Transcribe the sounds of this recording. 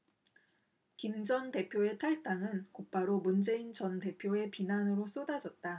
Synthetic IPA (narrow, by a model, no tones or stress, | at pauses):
kimd͡ʑʌnte̞pʰjoe̞tʰaɭt͈aŋɯnkop͈aɾomund͡ʑe̞int͡ɕʌnte̞pʰjoe̞pinanɯɾos͈ʰodad͡ʑʌt̚t͈a